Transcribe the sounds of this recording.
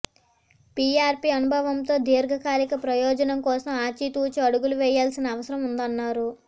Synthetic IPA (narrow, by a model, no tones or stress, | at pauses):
piaːɾpiɐnubʱɐʋɐmt̪o̞ːd̪iːɾɡʱɐkaːlikɐpɾɐjɔːd͡ʒɐnɐmkɔːsɐmaːt͡ʃit̪uːt͡ʃiɐɽuɡuluʋɛːjːaːlsinɐːʋɐsɐɾɐmund̪ɐnːaːɾu